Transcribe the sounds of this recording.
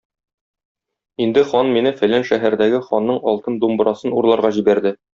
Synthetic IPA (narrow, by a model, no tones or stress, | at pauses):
ind̪ɘχɒnminɘfæ̆lænʃæɦæɾd̪æɡɘχɒnːɤɴɒlˠt̪ɤnd̪umbɾɑsɤnuɾlˠɑɾʁɑʑibæɾd̪ɘ